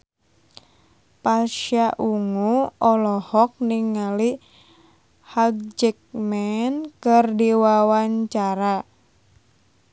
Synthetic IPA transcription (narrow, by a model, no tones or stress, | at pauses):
paʃaʔuŋuɔlɔhɔk̚niŋːali | haɡ̚d͡ʒɛk̚mɛnkɨrdiwawaɲt͡ʃaɾa